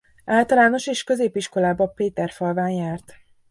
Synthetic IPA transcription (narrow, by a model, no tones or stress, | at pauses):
aːlt̪ɒlaːno̞ʃeːʃkø̞zeːpiʃko̞laːbɒpeːt̪ɛrfɒlvaːnjaːrt̪